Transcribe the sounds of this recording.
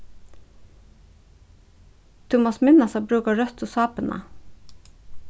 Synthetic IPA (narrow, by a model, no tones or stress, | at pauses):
t̪ʰʊmɑsmɪnɑsɑbɾʉːkɑɹœt̪uːsɑːpənʔə̰